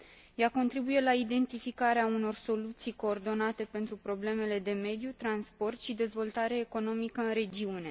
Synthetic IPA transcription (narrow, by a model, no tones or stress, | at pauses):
jako̞nt̪ɾibuje̞laid̪e̞nt̪ifikaɾeauno̞rso̞lut̪sijko̞ːrd̪o̞nat̪e̞pe̞nt̪ɾupɾo̞ble̞me̞le̞d̪e̞me̞d̪jut̪ɾanspo̞rt̪ʃid̪e̞zvo̞lt̪aɾeːko̞no̞mikəɨnɾe̞d͡ʒiune̞